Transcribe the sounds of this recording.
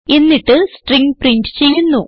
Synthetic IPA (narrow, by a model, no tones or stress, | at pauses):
enːiʈːɨsʈriŋɡpriɳʈɨ̥t͡ɕe̞jːunːu